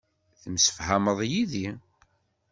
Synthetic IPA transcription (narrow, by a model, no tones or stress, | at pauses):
θəmsə̥fhæməðˤjiði